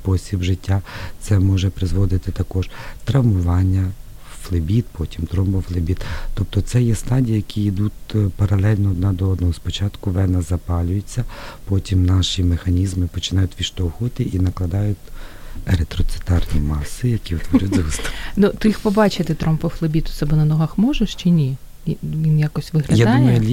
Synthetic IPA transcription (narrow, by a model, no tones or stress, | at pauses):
pɔsʲibʒɪtʲːat̪sɛmɔʒɛpɾɪzʋɔd̪ɪt̪ɪt̪ɐkɔʒ̥t̪ɾɐwmʊʋɑnʲːɐ | flˠɪbʲit̪̚pɔtʲimt̪ɾɔmpɔflˠɪbʲit̪t̪ɔp̚t̪ɔt̪sɛjɛst̪ɑdʲijɐjɐkʲiid̪ut̪ʲpɐɾɐlˠɛlʲnɔːd̪̚nɑd̪ɔɔd̪nɔɦɔspɔt͡ʃɑt̪kʊʋɛnɐzɐpɑlʲʊjet͡sʲːɐpɔtʲimnɑʃimexɐnʲizmɪpɔt͡ʃɪnɑjʊtʲʋʲiʃt̪ɔxʊt̪ɪʔinɐklˠɐd̪ɑjʊtʲeɾet̪ɾɔt̪sɨ̥t̪ɑrnʲimɑsːɪjɐkʲiwt̪ʋɔɾʲʊt̪ʲust̪nut̪ɪixpɔbɑt͡ʃɪt̪ɪt̪ɾɔmpɔflˠɪbʲit̪ʊ̥t̪sɛbɔnɐnɔɦɐxmɔʒeʃt͡ʃenʲi | ʋʲinjakɔsʲtʲʋɪɦlʲɐjad̪d̪umɐjʊlʲ